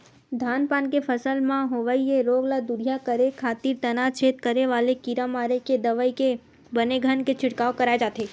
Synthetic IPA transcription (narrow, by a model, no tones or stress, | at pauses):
d̪ʱanpankefʰəsəlmãɦoʋaieɾoɡlad̪uɾjakəɾekʰat̪iɾt̪ənat͡ʃʰet̪kəɾeʋalekiɾamaɾeked̪əʋəike | bəneɡʱənket͡ʃʰɪʈkaokəɾajd͡ʒat̪ʰe